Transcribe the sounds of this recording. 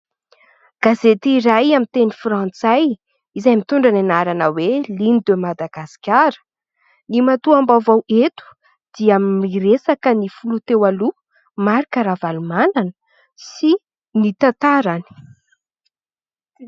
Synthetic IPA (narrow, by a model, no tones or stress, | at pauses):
ɡ̥azet̪iɾajamint̪enifrãnt͡saj | izajmit̪uɳɖ͡ʐananaɾanəwelinid̪emad̪aɡasi̥kʲaɾə̥ | nimat̪uambawvawet̪u̥ | d̪̥iamːiresakənifulut̪ewalu | maɾikəɾavalumananə̥ | si | nit̪at̪aɾani̥